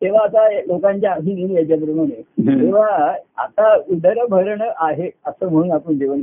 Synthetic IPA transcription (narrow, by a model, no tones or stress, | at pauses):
t̪eʋ̤aːt̪alokaɲt͡ɕjaɦininjad͡ʑjap̬ɾəmaɽ̃et̪eʋ̤aa̰t̪auɖəɾbʱəɾɳəʔaɦeəsəːm̤əɽ̃uːnapəɳd͡ʑiʋən